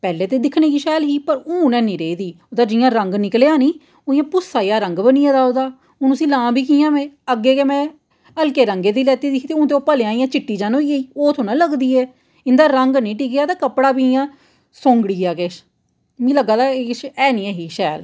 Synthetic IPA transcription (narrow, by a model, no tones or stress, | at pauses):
pɛːleːt̪eːd̪ɪkʰnẽːkiːʃɛːlɦiːpəɾʊːnɛ̃ːnĩːɾeːiːd̪iːod̪aːd͡ʒɪjãːɾə̃ŋɡnɪkleːãːnĩː | oːjãːpʊsaːijaːɾəŋɡbəniːɛ̃ːd̪aːoːd̪aː | ʊnəsĩːlãːbʱiːkiːjãːʋẽːəɡːeːkeːmɛ̃ː | əlkeːɾəŋɡeːd̪iːlɛːt̪iːd̪it̪eːʊ̃ːt̪̬eoːpəleãːijãːt͡ʃɪʈːiːd͡ʒãːnoːiːeiːoːt̪ʰoːnãːləɡd̪iːɛː | ɪnd̪aːɾəŋɡnĩːʈiːkejaːt̪aːkəpɽaːbiːɪjãː | sõːŋɡɽiːaːkeʃ | mĩːləɡaːd̪aːekɪʃɛːnĩːɛːɦiːʃɛːl